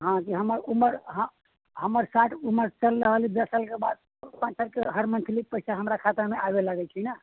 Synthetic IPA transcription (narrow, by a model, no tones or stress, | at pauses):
ɦãkiɦəməɾuməɾɦə̃ | ɦəməɾsaʈʰuməɾt͡ʃəlɾəɦəlibəsəlkebad̪̚ | pãt͡ʃəɾkeɦəɾmə̃nt̪ʰlipəɪsaɦəmɾakʰat̪əɾmeʔabelaɡɛt͡ʃʰina